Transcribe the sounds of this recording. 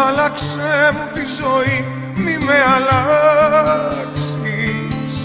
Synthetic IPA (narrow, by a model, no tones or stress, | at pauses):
alaksɛmut̪izɔi | mimeala | ks | is